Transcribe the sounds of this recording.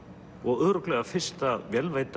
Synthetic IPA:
ɔɣʏðɾʏklɛɣafɪr̥st̪avjɛlvejt̪

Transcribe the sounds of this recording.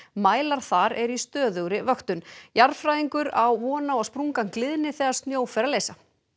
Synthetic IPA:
maːjlaɾ̥θaɾɛɾist̪œːðœwɾɪvœxt̪ʏnjaɾfɾajðiŋkʏɾawvɔːnaɔspɾuŋkanklɪðɪnːɪθɛɣaɾ̥st̪njoːwfɛɾaleːjsa

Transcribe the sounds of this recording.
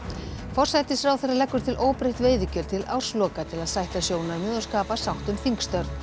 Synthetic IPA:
fɔr̥sajt̪ɪsfɾawθejrːalɛkːʏɾ̥t̪ʰɪlʔoːwpɾejht̪veːjðʏcɛlt̪ʰɪla̰w̥slɔːkat̪ʰɪlaðsajht̪asjoːwnaɾmʏːðʏskaːpasawht̪ʏmθiŋkst̪œɾt̪

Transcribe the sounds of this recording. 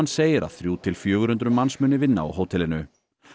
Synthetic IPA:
nːseːjɪɾa̰ðθɾjuːt̪ʰɪlfjœːɣʏɾʏnt̪ɾʏmːansmʏːnɪvɪnːa̰a̰wɦoːwt̪ʰɛlɪnʏ

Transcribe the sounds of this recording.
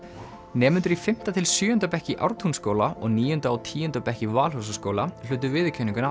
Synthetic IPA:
nɛːmʏnt̪ʏɾifɪm̥t̪at̪ʰɪlsjʏːʏnt̪apɛhcɪʔa̰wɾt̪ʰunskoːwlaʔɔ̰ɣniːjʏnt̪aːwt̪ʰiːjʏnt̪apɛhcɪvaːlɦhɔs̬askoːwlal̥ʏːt̪̬ʏvɪðcʰœniŋkʏna

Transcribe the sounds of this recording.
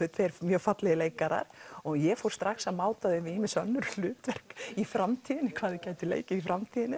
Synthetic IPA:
ʏt̪feɾmjœːfat̪lɛɣɪleːjkaɾa̰ɾ̥ɔɣjɛfowɾ̥st̪ɾaxsaðmaːwt̪aðɪvɪimɪsœnːʏɾl̥ʏːt̪vɛr̥kifɾamt̪ʰiːðɪnːɪkʰvaːðɪcaːjt̪ʏlḛjcɪifɾamt̪ʰiːðɪnɪ

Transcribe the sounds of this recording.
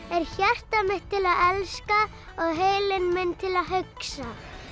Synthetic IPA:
ɛɾ̥çɛr̥t̪amɪht̪ʰːɪlaðɛlska | ɔɣɦeːjlɪnmɪnːt̪ʰɪlaðɦʏksa

